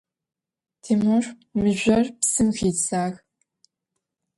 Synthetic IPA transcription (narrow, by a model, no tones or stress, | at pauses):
tʰeːmorʷ | mɨʑʷɐrpsɨmxiːtsaːx